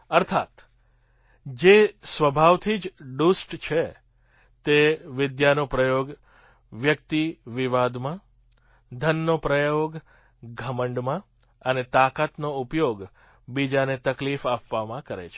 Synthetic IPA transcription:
əɾt̪ʰat̪ | d͡ʒesʋəbʱaʋt̪ʰid͡ʒɖusʈt͡ʃʰe | t̪eʋɪd̪janopɾəjoɡ | ʋjək̚t̪iʋiʋad̪mã | d̪ʱənːopɾəjoɡ | ɡʱəməɳɖmã | ənet̪akat̪noupjoɡ | bid͡ʒanet̪əklifapʋamãkəɾḛt͡ʃʰe

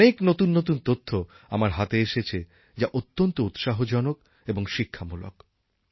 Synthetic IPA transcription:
eknot̪unːot̪̬unt̪ot̪ʰːo | a̰maɾɦat̪eeʃet͡ɕʰe | d͡ʑaʔot̪ːont̪out̪ʃaɦod͡ʑɔnok | eboŋʃikʰːamulo̰k

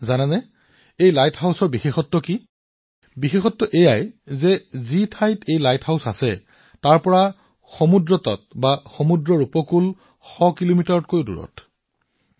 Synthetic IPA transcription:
zananɛ | ejlajtʰhawsɔɹbixexɔtːɔki | bixexɔtːɔʔejajzɛzitʰajtʰejlajtʰhawsasɛ | taɹpɔɹa | xɔmudɹɔtɔ̰t̚baxɔmudɹɔɹupɔkul | xɔkilomitaɹɔt̚kojdṵɹɔ̰t

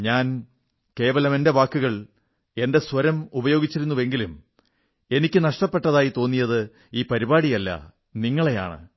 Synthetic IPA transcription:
ɲaːn | ke̞ːʋɐlɐmende̞ʋaːkːuɣɐɭ | e̞nde̞sʋɐɾɐmubɐjo̞ːɡit͡ɕːiɾun̪ːuʋe̞ŋɡilum | e̞nikʲːɨnɐʂʈɐpːe̞ʈːɐðaːjit̪o̞ːnːijɐðɨ | iːpɐɾibaːɽijɐlːɐ̰ | niŋːɐɭe̞ja̰ːɳɨ̰

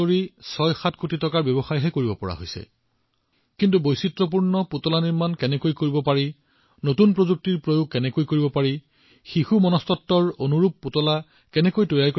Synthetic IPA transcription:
oɹisɔjxatʰkotitɔkaɹbjɔbɔxajɦɛkoɹibɔpɔɹa̰ɦo̰jsɛ̰ | kintubojsitɹɔp̬uɹnɔputɔlaniɹmankɛnɛkojkoɹibɔpaɹi | notunpɹozuk̚tiɹpɹojoɡ̚kɛnɛkojkoɹibɔpaɹi | xixumɔnɔstɔtːɔɹonuɹup̚ːutɔla | kɛnɛkojtojajk

